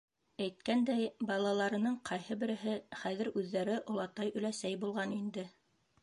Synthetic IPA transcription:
æjt̪̚kænd̪æjbɑlˠɑlˠɑɾɤ̆nɤɴqʰɑjhɤbɘ̆ɾɘ̆ɦɘχæðɘɾʉðːæɾɘʔŏlˠɑt̪ɑjɵ̆læsæjbulˠʁɑnind̪ɘ

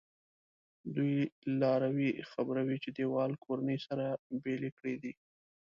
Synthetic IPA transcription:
d̪ujlɑɾawixabɾawit͡ʃed̪ewɑlkʰoɾanəjsaɾabelekɽed̪i

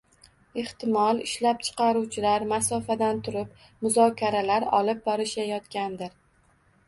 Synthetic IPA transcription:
eht̪ɪmɒlˠɪʃlap̚t͡ʃʰɨ̥qʰɑɾuwt͡ʃʰɪlaɾmasɒfad̪ant̪ʰʊɾɪp̚ | mʊzɒkʲʰaɾalaɾɒ̰lˠɪp̚bɒɾɪʃajɒt̪kʲand̪ɪɾ

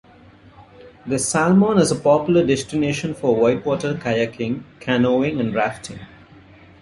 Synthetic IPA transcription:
d̪əsælmɔ̃ːnɪzəpɔːpjʊləɖɛsʈɪneːʃə̃nfɔɾʋɔɪʈwɔːʈəɾkʰajakʰɪ̃ŋkʰænoːɪ̃ŋæ̃ɳɾæfʈʰɪ̰̃ŋ

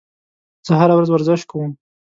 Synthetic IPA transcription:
z̥əɦaɾawɾazwaɾzɪʃkʰawəm

